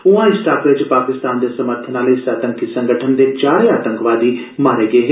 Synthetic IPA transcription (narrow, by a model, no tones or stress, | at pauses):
ʊãɪsʈaːkɾeːd͡ʒpaːkɪst̪aːnd̪esɐməɾt̪ʰənaːleɪsaːt̪ə̃ŋkisə̃ŋɡʱəʈʰənd̪et͡ʃaːɾeaːt̪ə̃ŋkʋaːd̪imaːɾeɡɐeɦe